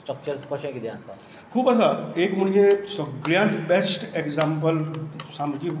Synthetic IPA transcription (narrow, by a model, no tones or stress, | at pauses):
sʈɾək̚t͡ʃəɾskɔʃə̃kid̪eãsa̰ | kʰuːbɐsaeːkməɳd͡ʒesɡɾãɳʈbesʈekzampəlsamki